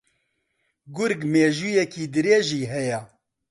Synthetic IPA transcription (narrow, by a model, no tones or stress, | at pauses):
ɡʊɾɡmeːʒuːjɛkiːd̪ɨɾeːʒiːɦɛjɛ